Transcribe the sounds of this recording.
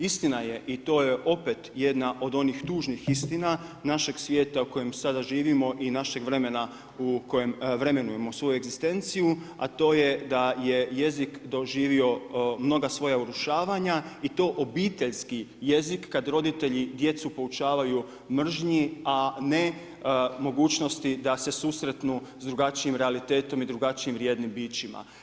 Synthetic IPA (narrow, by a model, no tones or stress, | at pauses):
ist̪inaje̞ʔit̪o̞ːje̞ʔo̞pe̞t̪jed̪naʔo̞d̪o̞nixt̪uːʒnixist̪inanaʃe̞ɡsʋje̞ːt̪auko̞jemsad̪aʒiːʋimo̞ʔinaʃe̞ɡʋɾe̞me̞na | uko̞je̞mʋɾe̞me̞nuje̞mo̞sʋo̞jue̞ɡzist̪e̞nt̪siju | a̰t̪o̞ːje̞d̪aje̞je̞zikd̪o̞ʒiːʋio̞mno̞ɡasʋo̞jauɾuʃaːʋaɲait̪o̞ːʔo̞biːt̪e̞ʎskije̞zikːad̪ɾo̞d̪it̪e̞ʎid̪je̞t̪supo̞ut͡ʃaːʋaju | mr̩ʒɲiane̞ | mo̞ɡuːt͡ʃno̞st̪id̪ase̞susɾe̞t̪nuzd̪ɾuɡat͡ʃiimɾealit̪e̞ːt̪o̞mid̪ɾuɡat͡ʃiimɾje̞ːd̪nimbiːt͡ʃima̰